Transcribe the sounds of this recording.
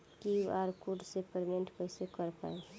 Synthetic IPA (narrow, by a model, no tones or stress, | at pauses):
kiaɾkuɖsepəɾmeɳʈpəɪsekəɾpa̰e